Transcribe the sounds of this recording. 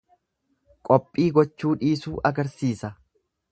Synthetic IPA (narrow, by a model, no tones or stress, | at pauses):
kʼɔpʼːiːɡɔt͡ʃːuːᶑiːsuːʔɐɡɐɾsiːsɐ